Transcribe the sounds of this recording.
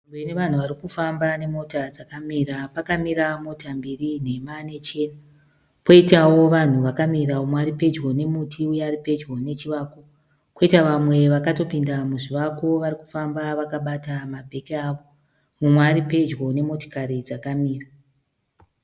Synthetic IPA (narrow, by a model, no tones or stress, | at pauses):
eneʋan̤uʋaɾikufambane̞mo̞tad͡zakamiɾapakamiɾamo̞tambirin̤e̞mane̞t͡ʃe̞na | po̞itawo̞ʋan̤uʋakamiɾaumwaɾipe̞d͡ʒɡo̞ne̞mutʰiujaːɾipe̞d͡ʒɡo̞ne̞t͡ʃiʋako | koitaʋamwe̞ʋakato̞pindamuʐiʋako̞ʋariku̥fambaʋakaɓatamabʱe̞kiaʋo̞ | mumwaɾipe̞d͡ʒɡo̞ne̞mo̞to̥kaɾid͡zakamiːra